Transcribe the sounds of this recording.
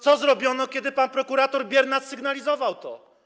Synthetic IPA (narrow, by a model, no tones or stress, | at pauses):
t̪sɔzɾɔbʲjɔnɔkʲɛd̪ɘpanpɾɔkuɾat̪ɔɾbʲjɛɾnasːɘɡnalʲizɔvawt̪ɔ̰